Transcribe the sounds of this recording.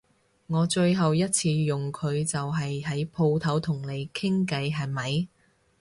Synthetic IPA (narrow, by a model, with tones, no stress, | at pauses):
ŋɔː˨˧t͡ʃɵ˧ɥɦɐ˨wjɐ˥t̚t͡sʰiː˧jʊ˨ŋkʰɵ˨˧ɥt͡sɐ˨wɦɐ˨jɦɐ˨˥jpʰo˧wt̪ʰɐ˨˥wt̪ʰʊ˨˩ŋle˨˧jkʰɪ˥ŋkɐ˧jɦɐ˨jmɐ˨j